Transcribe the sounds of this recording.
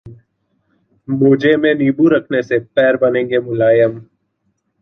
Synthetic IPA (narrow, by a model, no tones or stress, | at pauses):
mʊːd͡ʒemẽniːbuɾɐkʰnesepɛːɾbɐnẽːŋɡemʊlaːjəm